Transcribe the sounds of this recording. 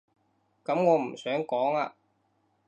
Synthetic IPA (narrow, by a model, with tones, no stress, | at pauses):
kɐ˨˥mŋɔː˨˧m̩˨˩sœː˨˥ŋkɔː˨˥ŋa̰ː˧